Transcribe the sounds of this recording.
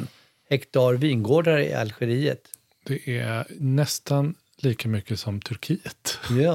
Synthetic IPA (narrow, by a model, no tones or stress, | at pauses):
n | hɛkt̪ʰɑːɾviːnɡoːɖaɾəɪ̰a̰lɧɛɾiːə̰t̪ | d̪̥ɛʔænɛst̪an | liːkamʏkːəsɔmt̪ʰɵɾkʰiːət̪jɑ